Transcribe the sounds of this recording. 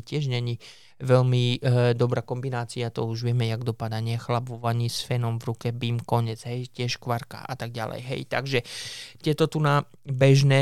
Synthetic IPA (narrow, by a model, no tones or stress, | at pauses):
cɪɛʒɲɛɲi | ʋɛʎmid̪ɔbɾaːkɔmbinaːt͡siat̪ɔuʒʋɪɛmɛjaɡd̪ɔpad̪aɲɪɛxlabuʋaɲisfɛnɔmvɾukɛbimkɔɲɛd͡zɦɛjcɪɛʃkʋaɾka̰ʔa̰t̪aɡɟalɛ̰jɦɛ̰jt̪a̰ɡʒɛt̪ɪɛt̪ɔt̪una | bɛʒnɛ